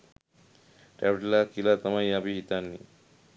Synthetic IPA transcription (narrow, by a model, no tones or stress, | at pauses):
ʈɛbʈlakilat̪əmajabiɦit̪anːi